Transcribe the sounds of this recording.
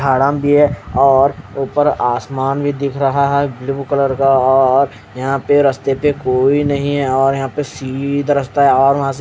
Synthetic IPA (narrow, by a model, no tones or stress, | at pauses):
aːɽaːmbʱiɦɛɔːɾuːpəɾaːsmaːnbʱid̪ɪkʰɾɐɦaɦɛbluːkələɾkaɔːɾ | jɐɦãpeɾɐst̪epekoːinɐɦĩɦɛɔːɾjɐɦãpesiːd̪ʱɾɐst̪aɦɛɔːɾʋɐɦãs̬e